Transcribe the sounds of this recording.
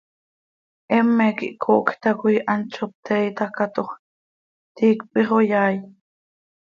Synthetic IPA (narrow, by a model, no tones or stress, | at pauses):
ʔɛmːɛkḭʔkʰoʔkt̪ɑkujʔɑnt͡ʃop̚t̪ɛjt̪ɑkɑt̪oχ | t̪iːkpiχojɑːj